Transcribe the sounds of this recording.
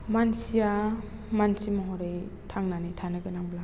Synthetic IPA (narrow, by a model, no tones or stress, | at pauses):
mansia | mansimaɦɔɾejtʰaŋnanitʰanɯɡɯnaŋbla